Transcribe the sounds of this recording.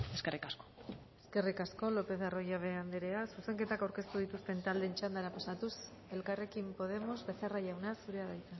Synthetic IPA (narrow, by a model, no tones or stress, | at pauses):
eskerikasko̥e̞ske̞rikasko̞lo̞pe̞θaro̞ʝaβ̞e̞and̪eɾeasuse̞ŋke̞t̪akawɾke̞st̪uð̞it̪ust̪e̞nt̪ald̪e̞nt͡ʃand̪aɾapasat̪us | e̞lkare̞kimpo̞ðe̞mo̞zβe̞θeraʝawnasuɾe̞aðajt̪a